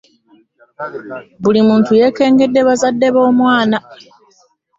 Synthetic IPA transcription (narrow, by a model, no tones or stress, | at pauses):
bulimuːntuje̞ːke̞ːŋɡe̞dːe̞βazadːe̞βo̞ːmwaːna